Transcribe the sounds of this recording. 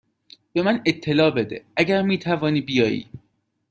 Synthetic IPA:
b̥e̞mænet̪ʰːe̞lɒːbe̞d̪e̞̰æɟæɾmiːt̪ʰævɒːniːbijɒːjḭː

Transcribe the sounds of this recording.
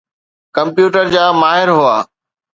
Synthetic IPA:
kɐ̃mpjuːʈəɾd͡ʑaːmaːɦɪɾɦʊaː

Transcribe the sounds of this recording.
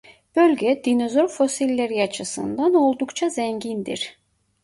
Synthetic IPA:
b̥ø̞lʲɟɛd̪̥ino̞zo̞ɾfo̞silʲːeɾiat͡ʃʰɯsɯ̰nd̪ano̞lˠd̪ukt͡ʃʰazɛɲɟind̪iɾ̥

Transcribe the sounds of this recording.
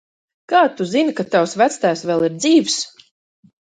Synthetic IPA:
kaːt̪uzinkat̪awsvæt̪st̪ajsvɛlˠiɾd̪ziːvs

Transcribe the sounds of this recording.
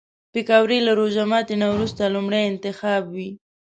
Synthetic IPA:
pɪkɑwɾelaɾoʒamɑt̪enawɾust̪alumɽajɪnt̪ɪxɑbwi

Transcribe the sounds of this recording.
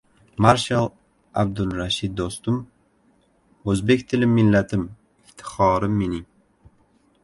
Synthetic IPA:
maɾʃalˠ | a̰b̚d̪ʊlˠɾaʃɪd̪̚ːost̪ʊm | ɵzbe̞kʲt̪ʰɪlɪmːɪlːat̪ʰɪm | ɪft̪ʰɪ̥χɒɾɪmːenɪ

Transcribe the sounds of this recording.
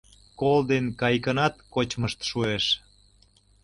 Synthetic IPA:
kold̪enkɑjkənɑt̪kot͡ɕməʃt̪ʃueʃ

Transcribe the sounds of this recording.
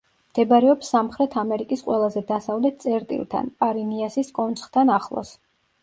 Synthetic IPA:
md̪̥ɛbaɾɛɔpsːamχɾɛt̪ʰamɛɾikʼisqʼwɛlˠazɛd̪asavlɛt̪̚ʰsʼɛɾt̪ʼḭlˠt̪ʰa̰npʼaɾiniasiskʼɔnt̪sʼχt̪ʰanaχlˠɔ̰s

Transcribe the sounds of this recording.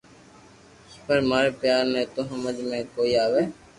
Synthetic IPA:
spəɾmaːɾeːpjaːɾnɛ̃ːt̪oːɦəməd͡ʒmẽːkoːiːaːʋeː

